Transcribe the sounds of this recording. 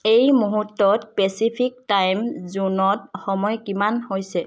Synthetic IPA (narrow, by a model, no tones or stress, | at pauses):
ejmuɦutːɔtpesipʰik̚tajmzunɔtxɔmɔjkimanhojsɛ